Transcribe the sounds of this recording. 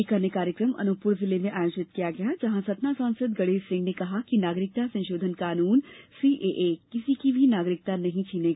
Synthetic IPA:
ikɐɾnjəkaːɾjəkɾəmɐ̰nʊpʊɽzɪlemẽʔaːjoːt͡ʃɪt̪̚kijaɡɐjad͡ʒɐɦãsɐt̪nasãːnsəd̪ɡɐɽesɪ̃ŋɡnekɐɦakinaːɡɾɪk̚t̪asɐ̃ñʃoːd̪ʱənkaːnuːnsiːʔeːʔekɪsikibʱinaːɡɾɪk̚t̪anɐɦĩt͡ʃʰiːneɡa

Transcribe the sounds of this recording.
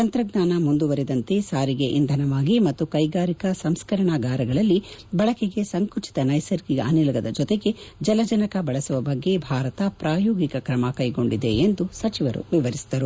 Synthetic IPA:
t̪ɐnt̪ɾɐɡnaːnɐmund̪uʋɐɾɛd̪ɐnt̪e̞saːɾiɡe̞ʔind̪ʱɐnɐʋaːɡimɐt̪ːukɐjɡaːɾikɐsɐmskɐɾɐɳɐɡaːɾɐɡɐɭɐlːibɐɭɐkeɡe̞sɐŋkut͡ʃi̥t̪ɐnɐjsɐɾkiɡɐɐnilɡɐd̪ɐd͡ʒɔt̪eɡe̞d͡ʒɐlɐd͡ʒɐnɐkɐbɐɭɐsuʋɐbɐɡːe̞bʱaːɾɐt̪ɐpɾaːjoːɡikɐkɾɐmɐkɐjɡo̞ɳɖid̪e̞ːnd̪usɐt͡ʃiʋɐɾṵʋiʋɐɾisi̥d̪ɐɾu

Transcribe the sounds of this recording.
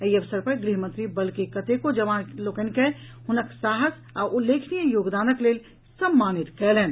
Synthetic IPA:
iɐʋsəɾpɐɾɡɾiɦmɐ̃nt̪ɾibɐlkekɐt̪ekod͡ʒɐʋaːnlokənke | hʊnəksaːɦəs | aːɾʊlːeːkʰnijəjoːɡd̪aːnəkleːl | sɐmːaːnɪt̪kɛːleːn

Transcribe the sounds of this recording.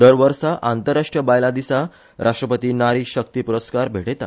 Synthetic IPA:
d̪əɾʋəɾsaʔant̪əɾaʂʈɾəbajlad̪isa | ɾʔaʂʈɾəpət̪iːnaɾiɕək̚t̪iːpuɾəskaɾbʱeʈet̪a̰

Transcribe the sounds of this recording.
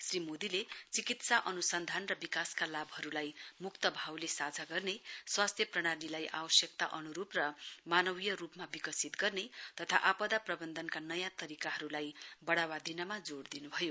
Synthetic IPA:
srimod̪ilet͡sikit̪saʔʌnusʌnd̪ʱanrʌbikaskalabɦʌɾulajmukt̪ʌbʱawlesad͡zʱaɡʌrneswast̪ʰjʌprʌɽ̃aɽilajʔa̰bʌsjʌk̚t̪a̰ʔʌnuɾuprʌmanʌwijʌrupmabikʌsit̪ɡʌrnet̪ʌt̪ʰa̰ʔapʌd̪aprʌbʌnd̪ʱʌnkanʌjãt̪ʌɾikaɦʌɾulajbʌɽawad̪ʱinʌmad͡zoɽd̪inubʱʌjo

